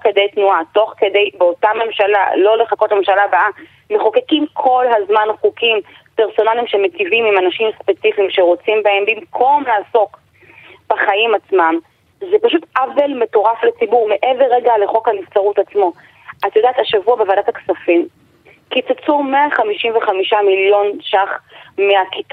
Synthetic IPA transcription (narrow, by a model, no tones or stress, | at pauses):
kede̞jtnuato̞χkedejbeo̞tame̞mʃala̰lo̞le̞χakotlamemʃalabaʔa | meχokekimkʰo̞lɦazmanχukim | peʁso̞nalimʃemetivimimanaʃimspe̞t͡sifimʃe̞ʁo̞t͡simbae̞mbimkʰo̞mlaːso̞k | b̥aχajimat͡smam | zepaʃutavelme̞to̞ʁaflet͡sibuʁmeʔeveʁeɡaleχo̞khanift͡saʁutat͡smo̞ | ʔatjodaːt̪haʃavuabevadataksafim | kit͡sat͡sumeaχamiʃimveχamiʃamiljo̞nʃaχmeakit̪